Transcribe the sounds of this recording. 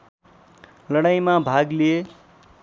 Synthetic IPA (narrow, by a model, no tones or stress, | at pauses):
lʌɽajmabʱaɡlie